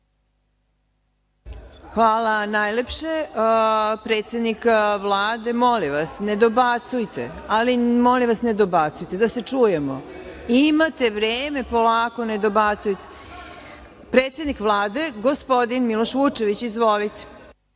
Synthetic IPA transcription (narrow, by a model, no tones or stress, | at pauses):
xʋaːlanajlepʃe | pɾeːt̪se̞d̪nikʋlˠaːd̪e̞mo̞liʋasne̞d̪obat̪sujt̪ḛ | alimoliʋasne̞d̪obat̪sujt̪e̞d̪ase̞t͡ʂuːjemoimat̪e̞ʋɾeːme̞po̞laːko̞ne̞d̪o̞bat̪sujt̪e̥ | pɾet̪sjed̪nikʋlˠaːd̪e̞ɡospo̞d̪inmiloʃʋut͡ʃe̞ʋit͡ɕizʋo̞lit̪e̥